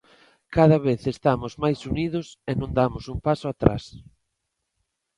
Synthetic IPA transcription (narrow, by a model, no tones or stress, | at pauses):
kaðɐβeθest̪amʊzmajsuniðʊsenõnd̪amʊsumpasʊat̪ɾa̰s